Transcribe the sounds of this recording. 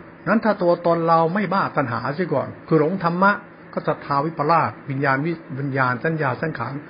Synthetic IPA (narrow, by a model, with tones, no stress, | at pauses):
na˦˥nt̪ʰaː˥˩t̪u˧ɐt̪ɔː˧nɾa˧wma˥˩jbaː˥˩t̪a˧nɦa̰ː˩˦sʰiː˧˥˩kɔ̰ː˨˩nkʰɯː˧˩ɾo˨˩˦ŋt̪ʰa˧mːa˦˥ʔ | kɔː˥˩sa˧˩t̪ʰːaː˧wi˦˥pa˧laː˥˩t̪̚wi˧njaː˧nwi˦˥wi˧njaː˧nsa˧˥˩njaː˧saː˦˥˩nkʰa̰ː˩˦n